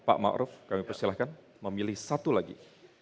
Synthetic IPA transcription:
pa̰ʔma̰ʔɾʊfkamipərsilahkan | məmilɪhsat̪ulaɡḭ

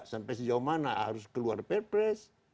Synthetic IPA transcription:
sampɛs̬id͡ʒaumanaɦa̰ɾuskəluarpɛrpɾɛs

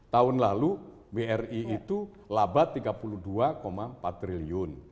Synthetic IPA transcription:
t̪aʊnlalu | beɛriit̪u | labat̪ːiɡapuluduakomapat̪ːɾiliʊn

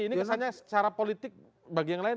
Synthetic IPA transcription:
iniksaɲasə̥t͡ʃaɾapolit̪ɪk̚ | baɡijaŋlaɪ

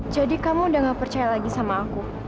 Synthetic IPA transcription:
d͡ʒadikamudaŋapərt͡ʃajalaɡisamaːku

